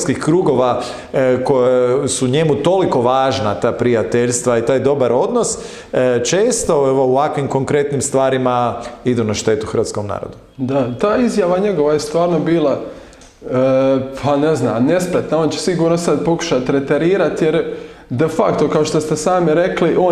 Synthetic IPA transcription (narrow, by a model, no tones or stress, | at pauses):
skixkɾuːɡo̞ʋa | kojasuɲe̞mut̪o̞liko̞ʋaːʒnat̪aːpɾijat̪eʎst̪ʋait̪aːjd̪o̞baɾo̞d̪no̞s | t͡ʃe̞ːst̪o̞eʋo̞uʋakʋimko̞ŋkɾe̞t̪nimst̪ʋaːɾimaid̪unaʃt̪e̞ːt̪uxɾ̩ʋat̪skomna̰ːɾo̰d̪u | d̪at̪aːizjaʋaɲe̞ɡoʋajest̪ʋaːɾnobiːlˠa | əpʰane̞zna̰ːmne̞spɾet̪naont͡ɕesiɡuːɾnosad̪po̞ku̥ʃat̪ɾet̪eɾiːɾat̪jeɾ | d̪efakt̪o̞kaoʃt̪ost̪esaːmiɾe̞kliʔoː